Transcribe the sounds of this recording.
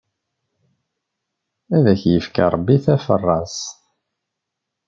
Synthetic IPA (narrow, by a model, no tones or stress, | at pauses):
æðæçjəfka̰ɾˤəbːiθæfə̰rˤːɑs